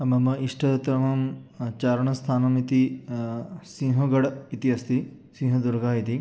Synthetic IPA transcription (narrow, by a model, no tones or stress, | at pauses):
ɐmɐmɐiʂʈʰɐt̪ɾɐmɐmt͡ʃaːɾɐɳɐst̪ʰaːnɐmit̪i | sĩŋɦɐɡɐɽit̪iɐst̪i | sĩːɦɐd̪uɾɡaːit̪i